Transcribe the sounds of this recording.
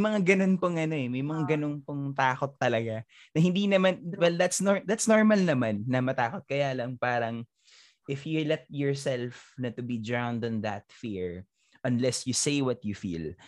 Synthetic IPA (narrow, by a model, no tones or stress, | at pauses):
jmɐŋaɡɐno̞npoŋʔɐno̞ɛmɐjmɐŋaɡɐno̞npoŋt̪aːko̞t̪ːɐlɐɡa | nɐhɪnd̪inɐmanwɛld̪at̪snoɹd̪at̪snoɹmɐlnɐmanːɐmɐt̪aːkot̪̚kɐjaːlɐŋpaːɾɐŋ | ʔɪfjulɛt̪̚jɔɹsɛlfnɐt̪ʊbid̪ɹãwnd̪ɐ̃nðɐt̪̚fiɹ | ʔɐnlɛsjusejwɔt̪̚jufḭl